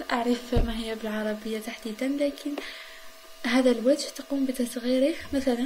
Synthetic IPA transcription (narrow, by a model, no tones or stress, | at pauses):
ʔaʕɾˤəfmæɦəjːæbəlʕɑɾˤɑbəjːat̪aħd̪id̪ənlækʰən | hæd̪ælwæd̪ʒt̪qumbəd̪æsɣiɾikmæt̪ælæ